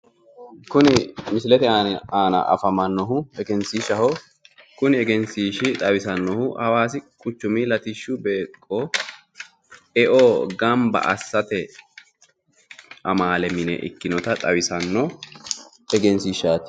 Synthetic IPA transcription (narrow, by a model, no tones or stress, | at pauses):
kʊnɪmɪslɛt̪ɛaaːnɐ̰ʔɐ̰fɐmɐnːɔɦʊɛɡɛnsiːʃɐhɔ | kʊnɪɛɡɛnsiːʃɪt̪ʼɐwɪsɐnːɔhʊʔhɐwaːsɪkʼʊt͡ʃːʊmilɐt̪ɪʃːʊbeːkʼːɔ | ɛʔoːɡɐmbɐ̰ʔɐ̰sːɐt̪ɛ | ʔɐmaːlɛmɪnɛ̰ʔɪ̰kːɪnɔt̪ɐt̪ʼɐwɪsɐnːɔ | ɛɡɛnsiːʃaːt̪ɪ̥